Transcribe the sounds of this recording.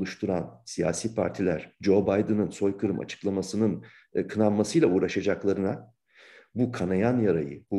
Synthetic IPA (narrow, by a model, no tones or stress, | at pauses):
lˠuʃt̪ʰuɾansija̰ːsiːpʰa̰ɾt̪ʰilʲæɾ̥d͡ʒo̞bajd̪ɯnɯnso̞jkʰɯɾɯmʔa̰t͡ʃʰɯ̥klˠamasɯnɯn | kʰɯnanmasɯjlˠauːɾaʃad͡ʒaklˠaɾɯna | bukʰanajanjaɾajɯ̰bu